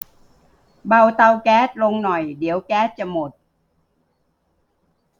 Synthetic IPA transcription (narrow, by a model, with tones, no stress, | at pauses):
ɓaː˧wt̪a˧wkaː˨˦˥t̚lo˧ŋnɔ˨˩jɗi˨˩˦əwkaː˨˦˥t̚t͡ɕɔ˧mo˨˩t̚